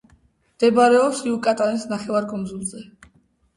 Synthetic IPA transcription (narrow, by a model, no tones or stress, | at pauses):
md̪̥ɛbaɾɛɔpsiukʼat̪ʼanisnaχɛvaɾkʼɔmd̪zulˠzɛ